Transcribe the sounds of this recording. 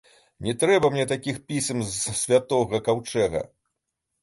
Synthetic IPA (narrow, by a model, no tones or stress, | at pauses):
nʲɛt̪ɾɛbɐmnʲɛt̪akʲixpʲisʲmzsʲvʲat̪ɔɣɐkawt͡ʂɛɣɐ̰